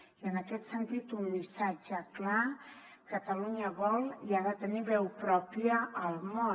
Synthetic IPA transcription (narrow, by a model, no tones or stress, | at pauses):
iənəkɛt̪sənt̪it̪umːisad͡ʒəkla | kət̪əluɲəβɔlˠiaðət̪əniβɛwpɾɔpiəːlˠmo